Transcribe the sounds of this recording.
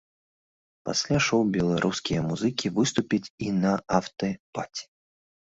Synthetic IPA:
pa̰sʲlʲaʂɔwbʲɛlˠaɾʔuskʲijɐmuzɨkʲivɨst̪upʲit͡sʲinɐaft̪ɐpat͡sʲi̥

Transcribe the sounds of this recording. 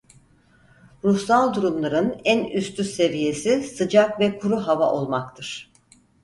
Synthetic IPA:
ɾuxsalˠd̪uɾumlˠaɾɯnænyst̪ysse̞vije̞sisɯd͡ʒakvɛkʰuɾuɦava̰ʔo̞lˠmakt̪ʰɯɾ̥

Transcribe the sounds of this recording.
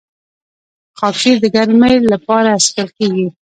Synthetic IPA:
xɑkʃid̪əɡaɾmejlapɑɾaːskəlkeɡi

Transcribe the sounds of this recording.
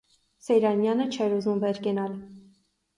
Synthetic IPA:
sɛjɾɑnjɑnət͡ʃʰɛɾuzumvɛɾkɛnɑl

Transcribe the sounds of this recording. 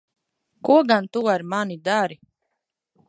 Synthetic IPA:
kuɔɡant̪uaɾmanid̪aɾi

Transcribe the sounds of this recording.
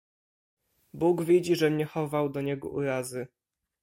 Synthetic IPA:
buɡvʲjid͡ʑiʐɛmɲɛxɔvawd̪ɔɲɛɡɔ̰ʔṵɾazɘ

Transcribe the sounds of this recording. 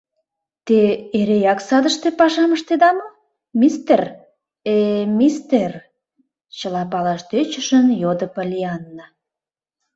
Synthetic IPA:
t̪eeɾejɑksɑd̪əʃt̪epɑʃɑməʃt̪ed̪ɑmo | mʲist̪er | emist̪er | t͡ɕəlɑpɑlɑʃt̪øt͡ɕəʃənjod̪əpəlʲiɑnːə

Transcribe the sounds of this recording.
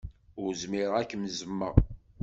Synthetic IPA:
ʊɾzmiɾˤækːəmzəmːə̰ʁ

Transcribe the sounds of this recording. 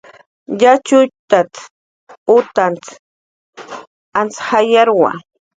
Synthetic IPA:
ʎat͡ʃʊjt̪at͡s | ʊt̪ant͡s | ant͡sxajaɾwa̰

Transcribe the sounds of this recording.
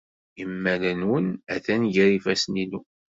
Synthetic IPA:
imːælənwənæθænʝæɾifæsninu

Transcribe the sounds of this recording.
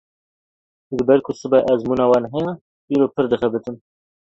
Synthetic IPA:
ʒɨbɛɾkʰʊsɨbɛʔɛzmunɑːwɑːnɦɛjɑ | ʔiːɾoːpʰɨɾd̪ɨxɛbɨt̪ɨm

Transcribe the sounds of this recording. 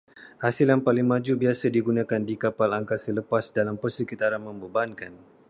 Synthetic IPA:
hasɪljaŋpalɪŋmãd͡ʒubiasədiɡunãkandikapalaŋkasələpasdalampərsəkit̪aɾanmə̃mbəbankan

